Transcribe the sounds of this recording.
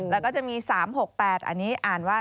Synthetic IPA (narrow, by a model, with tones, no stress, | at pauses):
lɛ˦˥kɔː˥˩t͡ɕa˨˩ʔmiː˧saː˩˦mho˨˩k̚pɛː˨˩t̪̚ʔa̰˧nːiː˦˥ʔaː˨˩nwaː˥˩